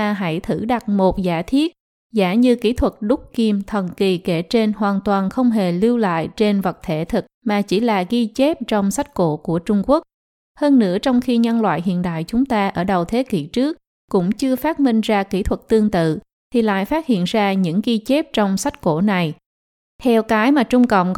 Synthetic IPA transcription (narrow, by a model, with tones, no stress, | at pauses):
ɦa˧˥jt̪ʰɨ˧˩ɗa˨˩t̚mo˨˩t̚zaː˧˩t̪ʰi˦˥ət̚ | zaː˧˩ɲɨ˧kḭ˧˥t̪ʰwə˨˩t̚ɗʊ˦˥k͡p̚ki˧mt̪ʰə˨˩nki˨˩ke˧˩t͡ɕe˧nɦwaː˨˩nt̪waː˨˩nxə˧wŋ͡mɦe˨˩li˧əwla̰ː˧˨jt͡ɕe˧nvə˨˩t̚t̪ʰe˧˩˦t̪ʰɨ˨˩k̚maː˨˩t͡ɕi˧˩laː˨˩ɣi˧t͡ɕe˦˥p̚t͡ɕɔ˧wŋ͡msa˦˥jk̟̚ko̰˧˥ku˧˩ət͡ɕʊ˧ŋ͡mku˦˥ək̚ | həː˧nːɨ̰˧˥ət͡ɕɔ˧wŋ͡mxi˧ɲə˧nlwa̰ː˧˨jɦḭ˧˨ənɗa̰ː˧˨jt͡ɕʊ˨˦ŋ͡mt̪aː˧ʔəː˧˩ɗə˨˩wt̪ʰe˨˦ki˧˩t͡ɕɨ˦˥ək̚ | kʊ̰˧˥ŋ͡mt͡ɕɨ˧əfaː˦˥t̚mi˧ŋ̟zaː˧ki˧˥t̪ʰwə˨˩t̚t̪ɨ˧əŋt̪ɨ̰˧˨ | t̪ʰi˨˩la̰ː˧˨jfaː˦˥t̚hḭ˧˨ənzaː˧ɲɨ̰˧˥ŋɣi˧t͡ɕe˦˥p̚t͡ɕɔ˧wŋ͡msa˦˥jt̟̚ko˧˩na˨˩j | t̪ʰɛ˧wkaː˨˦jmaː˨˩t͡ɕʊ˧ŋ͡mkə̰˧˨wŋ͡m